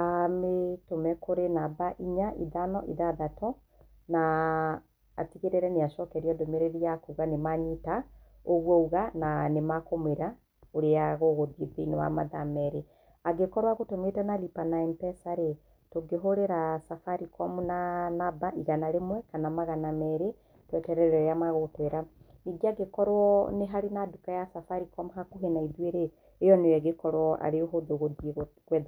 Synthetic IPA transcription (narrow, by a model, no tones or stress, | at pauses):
ametomɛkoɾenabaʔiɲaʔiðanɔʔiðaðatɔ | naː | tiɣeɾeɾɛneaʃɔkɛɾiɔdomeɾeɾiakuɣanemaɲita | oɣwɔuɣananemakomeɾa | oɾeaɣoɣoðiðiinewa̰ma̰ðamɛɾe | aɡekɔɾwaɣotometɛnalipanaimpɛsaɾe | toɡeɦoɾeɾasafaɾikɔmunanabaʔiɣanaɾemwɛkanamaɣanamɛɾe | twɛtɛɾɛɾɛɾeamaɣotwɛɾa | niɡiaɡekɔɾwɔneɦaɾenadukajasafaɾikɔmuɦakuɦenaiðweɾeː | jɔnewɛɣekɔɾwɔʔa̰ɾeoɦoðoɣoðieɣoɣwɛð